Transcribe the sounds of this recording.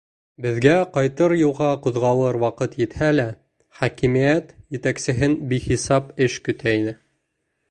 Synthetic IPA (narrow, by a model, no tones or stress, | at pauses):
bɘ̆ðɡæqɑjt̪ɤɾjulˠʁɑqŭðʁɑlˠɤɾwɑqɤt̪jɘ̆t̪hælæ | χækimijæt̪jɘ̆t̪æksɘ̆ɦɘnbiχisɑpɘʃkɵ̆t̪ʰæinɘ